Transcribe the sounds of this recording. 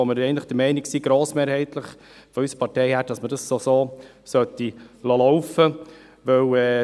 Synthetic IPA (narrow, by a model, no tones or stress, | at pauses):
ɔməɾɛɪntləχd̥əɾmɛɪniksiːɡ̥ɾoːsmeːɾhɛɪt̪ləχ | fɔysəpʰɑɾtɛɪhæɾd̥ɑsmədɑssosoː | sœt̪ilɑlɔwfə | ʋœwɛː